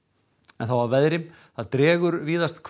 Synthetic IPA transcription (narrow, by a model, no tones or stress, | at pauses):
ɛnθawvavɛðɾɪm | θaðt̪ɾɛːɣʏɾviːðast̪kʰ